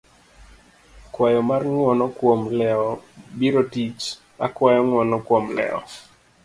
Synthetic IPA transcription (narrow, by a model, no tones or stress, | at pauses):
kwajɔmarŋwɔnɔkwomlɛɔbiɾotit͡ʃ | akwajɔŋwɔnɔkwomlɛ̰ɔ̰